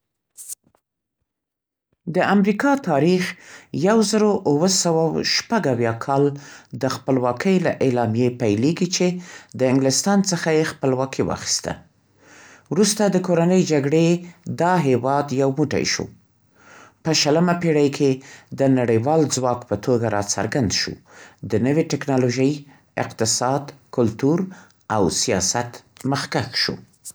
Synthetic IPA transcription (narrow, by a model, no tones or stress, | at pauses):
d̪əʔamɾikɑt̪ɑɾixjawzəɾoʔwəsawawʃpaɡawjɑkʰɑld̪əxpəlwɑkʰəjla̰ʔelɑmjepajleɡit͡ʃed̪əɪŋɡlɪst̪ɑnt͡səxajexpəlwɑkʰiwɑ̰xi̥st̪a̰ | wɾust̪ad̪əkoɾanəjd͡ʒaɡɽed̪ɑɦewɑd̪jawmuʈa̰jʃṵ | pəʃələmapeɽajkʰed̪ənaɽəjwɑld͡zwɑkpət̪ʰoɡaɾɑt͡sa̰ɾɡand̪ʃṵd̪ənəweʈɪknɑloʒəj | ɪ̰qt̪ɪsɑd̪kʊlt̪uɾ | awsijɑ̰sat̪məxkaxʃṵ